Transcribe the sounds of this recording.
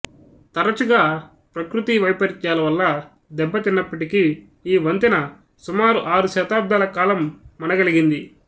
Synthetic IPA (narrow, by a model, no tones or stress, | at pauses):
t̪ɐɾɐt͡ʃuɡaː | pɾɐkɾut̪iʋɐjpɐɾiɲt͡ʃaːlɐʋɐlːɐ | d̪ɛbːɐt̪inːɐpːɐʈiki | iːʋɐnt̪inɐ | sumaːɾuʔaːɾuʃɛːt̪aːb̚d̪ʱaːlɐkaːlɐmːɐnɐɡɐliɡind̪i